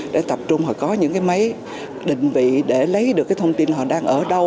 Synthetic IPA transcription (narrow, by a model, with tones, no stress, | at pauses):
ɗḛ˧˩t̪ə˨˩p̚t͡ɕʊ˧ŋ͡mhɔ˨˩kkɔ˨˦ɲɨ̰˧˥ŋkaː˨˦jmə˨˦j | ɗï˧˨ŋ̟vḭ˧˨ɗe˧˩lə˨˦jɗɨ˨˩əkːaː˨˦t̪ʰwŋ͡mt̪i˧nhɦɔ̰˧˨ɗaː˧ŋʔəː˧˩ɗə˧w